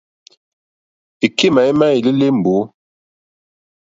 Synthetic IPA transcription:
i˨ki˦ma˨i˦ma˦i˨li˦le˦m̩˨bo˨˦

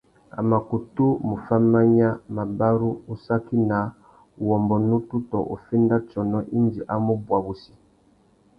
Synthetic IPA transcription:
a̰˨ma˨ku˨tu˦mu˨fa˦ma˦ɲa˦ma˨ba˦ɾu˦u˨sa˦ki˦na˨ | wɔ˨mbɔ˨nu˦tu˦tɔ˨ʔo̰˨fɛ˦nda˦t͡ʃɔ˨nɔ˦ʔi˦ndi˨ʔa˦mu˦bwa˨bu˨si̥˨

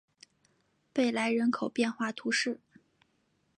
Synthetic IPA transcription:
pe˥˩ɪla˧˥ɪɻə˧˥nkʰo˨˩ʊpjɛ˥˧nxwa˥˩t̪ʰu˧˥ʂɻ̩˥˩

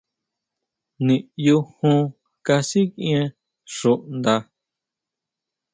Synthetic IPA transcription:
nĩ˨ju˧hũ˧ | ka˧si˦kĩ˦ẽ˧ | ʂu˨ʔnd̪a˧

